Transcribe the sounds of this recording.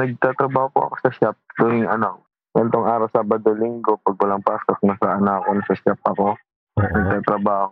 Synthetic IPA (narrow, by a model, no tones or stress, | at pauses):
nɐɡ̚t̪aːt̪ɾɐbaːhopoʔɐ̰ko̥sɐʃap̚d̪onɪŋɐnak | ŋɐnt̪oŋʔaːɾɐwsaːbɐd̪olɪŋɡopɐɡ̚wɐlaŋpaːsok̚nɐsɐʔɐnakonɐsɐʃap̚ʔɐko̞ | nɐɡ̚t̪aːt̪ɾɐbaːho